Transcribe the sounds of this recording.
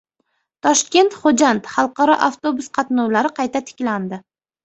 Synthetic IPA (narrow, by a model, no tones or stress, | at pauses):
t̪ʰɒʃkʲe̞nt̪χod͡ʒant̪χɑlˠqɑɾɒ̰ʔaft̪obʊsqʰɑt̪nɒwlaɾɪqʰɑjt̪ʰat̪ʰɪ̥kʲland̪ɪ